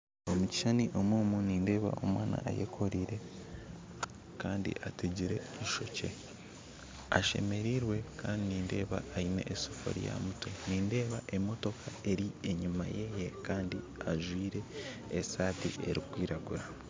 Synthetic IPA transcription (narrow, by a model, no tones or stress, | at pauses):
o̞muci̥ʃaniʔo̞mwuːmuniːnde̞ːβa̰ʔo̞̰mwaːna̰ʔa̰jḛkʰo̞ɾiɾe̞ | kaːndḭʔateɟiɾe̞iʃo̞ce̞ | a̰ʃe̞̰me̞ɾiɾwe̞kʰaːndiniːnde̞ːβa̰ːine̞̰ʔːsofo̰ɾḭja̰mutoniːnde̞ːβaʔe̞mo̞to̞kʰae̞ɾieɲuma̰je̞jekaːndi | aʒwiːɾe̞ː | saːtiʔeɾikwiːɾaɡuɾa